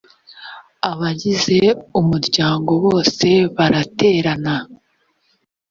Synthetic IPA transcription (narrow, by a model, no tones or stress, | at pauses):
aβaɟize̞umuɾɟaːŋɡo̞βo̞ːse̞βaɾate̞ːɾana